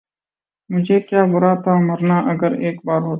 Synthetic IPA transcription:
mʊd͡ʒʱeːkjaːbʊɾaːt̪ʰaːmɐɾnaʔɐɡəɾeːk̚baːɾɦoːt̪a

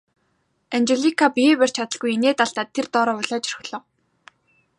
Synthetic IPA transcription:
ant͡ɕeɮikʰapiepær̥t͡ɕʰat̪ə̆ɮɣujeneːt̪aɬt̪aːt̪ʰːert̪ɔːɾɔːʊɮaːt͡ɕrxɮ̥ɔː

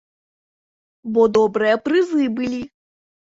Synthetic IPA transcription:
bɔd̪ɔbɾɨjɐpɾɨzɨbɨlʲi

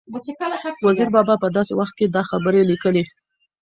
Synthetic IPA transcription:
waziɾbɑbɑpəd̪ɑsewaxt̪̚ked̪ɑxabəɾelikəle

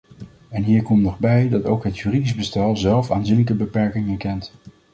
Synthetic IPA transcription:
ɛnɦiːɹkɔmtnɔχbɛjdɑtowkɦətjyːridizbəstɛlˠzɛlˠfa̰ːnzinləkəbəpɛɹkɪŋɛɹkɛnt

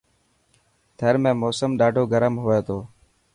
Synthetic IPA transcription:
t̪ʰeːɾmẽːmoːsəmɗaːɖʱoːɡəɾəmɦoːeːt̪ʰoː

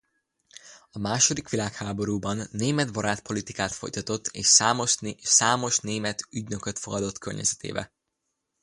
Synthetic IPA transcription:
ɒmaːʃo̞d̪ikʋilaːkhaːbo̞ɾuːbɒnːeːmɛd̪bɒɾaːt̪po̞lit̪ikaːt̪fo̞̰jt̪ɒt̪o̞t̪ːeːʃsaːmoʃsaːmo̞ʃneːmɛt̪yɟnø̞køt̪fo̞ɡɒd̪o̞t̪kø̰rɲɛ̰zɛt̪ḛːbɛ̰

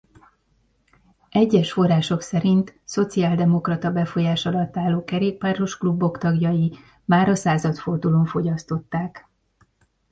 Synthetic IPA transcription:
ʔɛɟːɛʃfo̞rːaːʃo̞ksɛɾint̪so̞t̪siaːld̪ɛmo̞krɒt̪ɒbɛfo̞jaːʃɒlɒt̪ːaːlːoːkɛɾeːk̚paro̞ʃklubːo̞kt̪ɒɡjɒji | maːɾɒsaːzɒt̪fo̞rd̪ulo̞ɱfo̞ɟɒst̪o̞t̪ːaːk

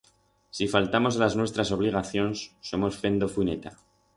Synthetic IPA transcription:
sifalt̪amo̞zlaznwe̞st̪ɾaso̞β̞liɣ̞aθjo̞nsːo̞mo̞sfe̞nd̪o̞fune̞t̪a

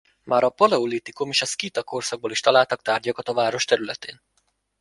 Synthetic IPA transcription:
mʔaːɾɒpolɛolit̪ikumiʃɒskit̪ɒko̞rsɒɡ̚boːliʃt̪ɒlaːlt̪ɒkt̪aːrɟɒkɒt̪ɒvaːɾo̞ʃt̪ɛɾylɛt̪ḛːn

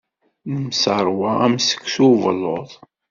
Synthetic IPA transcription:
nəmsəɾˤwaæmsə̥kːsuvəlːoðˤ

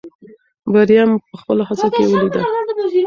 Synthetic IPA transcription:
baɾijampəxpəlohazakḛwəlid̪ə

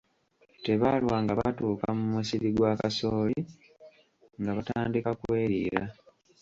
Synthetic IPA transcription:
te̞βalwaːŋɡaβatuːkamumusiɾiɡwaːkasoːli | ŋɡaβataːndikakwe̞ːɾḭːɾa

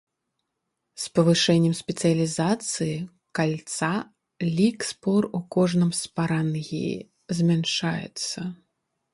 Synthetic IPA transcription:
spɐvɨʂɛnʲːɛmsʲpʲɛt̪sɨjɐlʲizat̪sɨji | kalʲt̪sa | lʲikspɔrukɔʐnɨmspaɾanɣʲḭ | zʲmʲanʂajɛ̰t̪sːɐ

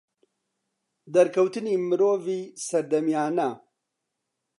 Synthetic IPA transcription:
d̪ɐɾkʰɐwt̪ɨniːmɨɾoːviːsɐɾd̪ɐmijaːnɐ

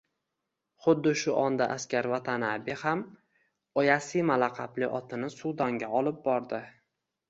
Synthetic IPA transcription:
χʊd̪ːɪʃʊʔɒnd̪aʔaskʲaɾvat̪ʰanabɪham | ɒjasimalaqʰɑplɪʔɒt̪ʰɪnɪsʊwd̪ɒŋɡʲaɒlɪp̚bɒɾd̪ɪ

